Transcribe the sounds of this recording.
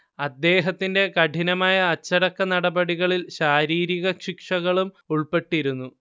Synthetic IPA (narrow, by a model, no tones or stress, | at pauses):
ɐd̪ːe̞ːɦɐt̪ːinde̞kɐʈʰinɐmaːjɐːt͡ɕːɐɽɐkːɐnɐɽɐbɐɽiɣɐɭilɕaːɾiːɾiɣɐʂikʂɐɣɐɭum | uɭpe̞ʈːiɾunːu